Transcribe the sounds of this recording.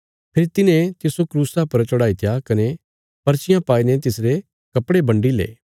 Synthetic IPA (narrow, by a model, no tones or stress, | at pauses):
pʰeːɾit̪ɪnẽt̪ɪsokɾuːsapɐɾt͡ʃɔɽaːit̪ʰjakɐne | pɐɾt͡ʃɪjãpaːinet̪̬ɪsɾe | kɐpɽebɐ̃ɳɖilḛː